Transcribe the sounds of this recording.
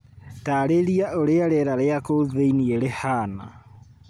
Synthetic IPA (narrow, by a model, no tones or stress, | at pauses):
taːɾeɾiaʔoɾeaɾɛɾaɾeakoðeinieɾehaːna̰